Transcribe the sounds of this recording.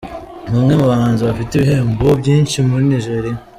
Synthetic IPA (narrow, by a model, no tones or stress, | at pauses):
ŋ̥umŋe̞muβaŋaːnziβafiteβiɦe̞ːmbobɟiːnʃimuɾiniʒe̞ɾija